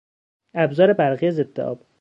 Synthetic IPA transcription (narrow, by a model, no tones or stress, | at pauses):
æbzɒːɾebæɾɣiːæzed̪ːḛʔɒ̰ːb